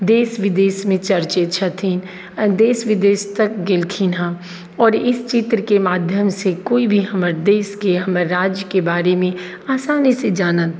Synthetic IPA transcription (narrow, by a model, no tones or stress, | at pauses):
d̪eːsʋɪd̪eːsmẽt͡ʃɐɾt͡ʃet͡ʃʰɐt̪ʰiːn | d̪eːsʋɪd̪eːst̪ɐk̚ɡɪlk̪ʰiːna | ɔːɾɪst͡ʃɪt̪ɾəkemaːd̪ʱjəmsekoːibʱiɦɐməɾd̪eːskeɦɐməɾːaːd͡ʒjəkebaːɾemẽ | aːsaːnised͡ʒaːnət̪